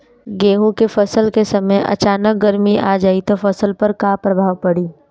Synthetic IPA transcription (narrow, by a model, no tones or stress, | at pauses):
ɡeːɦõkefɐsəlkesɐməjʔɐ̰t͡ʃaːnək̚ɡɐɾmiʔa̰ːd͡ʒaːit̪ofɐsəlpɐɾkaːpɾɐbʱaːʋpɐɽiː